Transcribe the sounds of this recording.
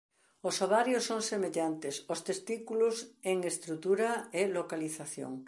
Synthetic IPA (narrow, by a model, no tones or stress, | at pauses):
osoβaɾjosːoŋsemeʎant̪esost̪est̪ikuloseŋest̪ɾut̪uɾaelokaliθaθjo̰ŋ